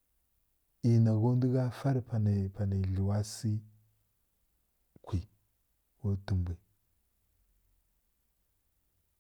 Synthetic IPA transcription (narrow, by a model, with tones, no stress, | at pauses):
i˨na˨ɣo˦ndi˦ɡa˦fa˦ɾpa˨na˨pa˨na˨ɮu˨wa˦si˦ | kʰʷi˨ | ko˦ti˨mbi˨